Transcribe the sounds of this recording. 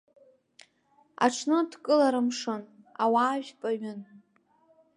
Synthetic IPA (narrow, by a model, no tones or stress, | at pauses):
a̰ʈ͡ʂʰnɨdkʼɨlaɾɨmʂɨn | awaːʒpʼaɥʊn